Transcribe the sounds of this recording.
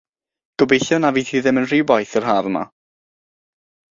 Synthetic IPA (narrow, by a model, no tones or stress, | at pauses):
ɡ̥ɔbejɬɔnaviːtʰiːðɪmənr̥iwbɔjθɪrɦaɾma̰